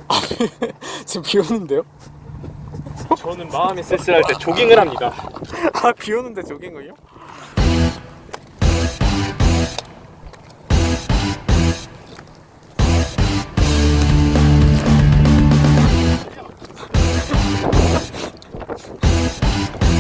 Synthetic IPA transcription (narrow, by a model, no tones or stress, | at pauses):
a | t͡ɕempionɯnde̞jo | t͡ɕʌnɯnmaɯmes͈ʰes͈ɯɾɦaɭt͈e̞t͡ɕoɡiŋɯɾɦamɲida | apionɯnde̞t͡ɕoɡiŋɯɲo